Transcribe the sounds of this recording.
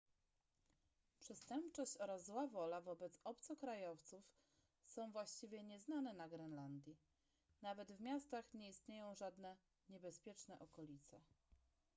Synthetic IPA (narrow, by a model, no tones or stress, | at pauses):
pʂɛst̪ɛmpt͡ʂɔɕt͡ɕɔɾazːwavɔlavɔbɛt̪sɔpt̪sɔkɾajɔft̪suf | sɔ̃w̃vwaɕt͡ɕivʲjɛɲɛznanɛnaɡɾɛnland̪ʲji | navɛd̪vmʲjast̪axɲɛist̪ɲejɔ̃w̃ʐad̪nɛ | ɲɛbɛspʲjɛt͡ʂnɛ̰ʔɔkɔlʲit̪sɛ